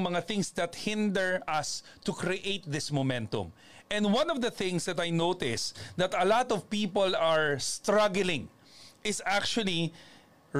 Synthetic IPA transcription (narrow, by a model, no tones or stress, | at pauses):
mɐŋaθɪ̃ŋsd̪ɐt̪̚hɪ̃nd̪ɛɹɐs | t̪ʊkɾiʔejt̪̚ðɪsmɔmɛ̃nt̪ʊ̰m | ʔɛ̃nd̪wɐ̃nɔvd̪ɐθɪ̃ŋsd̪ɐt̪ɐjnowt̪ɪsd̪ɐt̪ɐlat̪ɔvpiːpolɐɹst̪ɾʌɡlɪ̃ŋ | ʔɪsak̚t͡ʃuɐli